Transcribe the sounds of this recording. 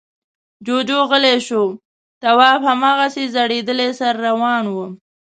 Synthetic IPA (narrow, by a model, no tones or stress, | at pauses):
d͡ʒod͡ʒoɣəleʃo | t̪awɑːfhamɑːɣasezaɽed̪əlesaɾːawɑnwu